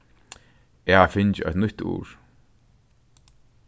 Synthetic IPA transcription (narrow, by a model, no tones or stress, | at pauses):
ɛhafɪnt͡ʃɪɛ̰ht̪nʊt̪ṵːɹ